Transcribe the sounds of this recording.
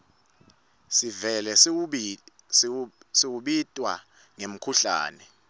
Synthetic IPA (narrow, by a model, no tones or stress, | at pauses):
sivɛlɛ | siwuɓitʼwa̰ | ŋem̩kʰuɬa̰ːnɛ